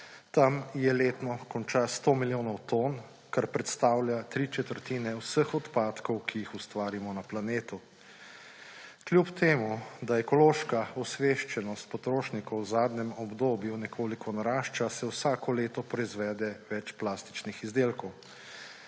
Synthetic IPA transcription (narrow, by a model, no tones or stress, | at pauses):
t̪amjɛleːt̪nɔkɔnt͡ʃast̪oːmiljoːnɔwt̪oːn | kaɾpɾɛt̪st̪aːwljat̪ɾit͡ʃɛt̪əɾt̪iːnɛwsəxɔt̪paːt̪kɔwkʰijixust̪ʋaːɾimɔnaplaneːt̪u | kljupt̪ʰeːmud̪aɛkɔloːʃkaɔsʋeʃt͡ʃɛnɔst̪̚pɔt̪ɾoːʃnikɔwzaːd̪nɛmɔbd̪oːbjunɛkʰoːlikʰɔnaɾaːʃt͡ʃasɛwsaːkɔleːt̪ɔpɾɔizʋɛːd̪ɛʋɛt͡ʃplaːst̪i̥t͡ʃnixizd̪eːlkɔw